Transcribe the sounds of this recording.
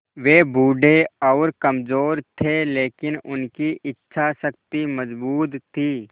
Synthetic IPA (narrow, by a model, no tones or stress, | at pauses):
ʋeːbʱuːɖʱeɔːɾkɐmzoːɾt̪ʰeleːkɪnʊnkiʔɪtːʃʰasək̚t̪iməzbuːt̪ʰːiː